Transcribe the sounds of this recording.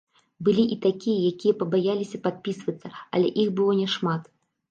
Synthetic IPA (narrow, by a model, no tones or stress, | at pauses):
bɨlʲiʔit̪akʲijɛjakʲijɛpɐbajalʲisʲɐpat̪̚pʲisvɐt̪sːɐɐ̰lʲɛʔixbɨlˠɔnʲɛʂmat̪